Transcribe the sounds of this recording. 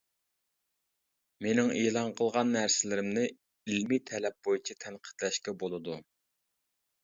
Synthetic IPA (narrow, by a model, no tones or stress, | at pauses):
menɪŋeːlˠɑnqʰəlˠʁɑnːæɾsɪlɪɾɪmnɪ | ilmit̪ʰɛlɛp̚bojit͡ʃʰit̪ʰɛnqʰə̥t̪lɛʃkʲɛbolˠɨd̪u